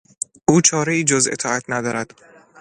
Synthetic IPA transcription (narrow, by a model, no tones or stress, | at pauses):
ʔuːt͡ʃʰɒːɾeiːd͡ʒozḛt̪ʰɒːæt̪ʰnæd̪ɒːɾæd̪̥